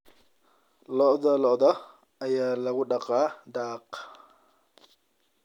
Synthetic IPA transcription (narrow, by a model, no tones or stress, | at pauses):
lɔʔðɐlɔʔðɐ | ɐjaːlɐɣʊɖɑqʼɑːd̪aːq